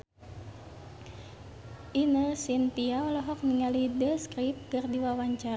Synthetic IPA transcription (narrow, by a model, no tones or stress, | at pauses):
ʔinəsint̪iaɔlɔɦɔk̚niŋalidəskɾip̚ɡɨrdiwawaɲt͡ʃar